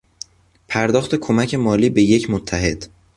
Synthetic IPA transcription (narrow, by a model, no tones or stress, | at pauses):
pʰæɾd̪ɒːxt̪e̞kʰomæcʰe̞mɒːliːbe̞je̞cʰmot̪ʰːæɦe̞d̪̥